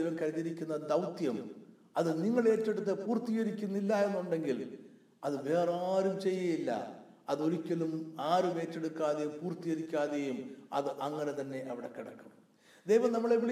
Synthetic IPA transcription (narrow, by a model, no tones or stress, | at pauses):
jʋɐmkɐɾiðiɾikʲːunːɐd̪ɐwt̪jɐm | ɐðɨniŋːɐɭe̞ːtːe̞ɽut̪ːepuːrt̪iɣɐɾikʲːunːilːɐe̞nːuɳɖe̞ŋɡil | ɐðɨʋe̞ːraːɾumt͡ɕe̞jːɐjilːɐ̰ | ɐðo̞ɾikʲːɐlumaːɾume̞ːtːe̞ɽukːaːðejumpuːrt̪ːiɣɐɾikʲːaːðejumɐ̰ðɨʔɐŋːɐne̞t̪ɐnːe̞ʔɐʋiɽe̞kiɽɐ̰kːɐm | d̪ejʋɐmnɐmːɐɭeʋiɭ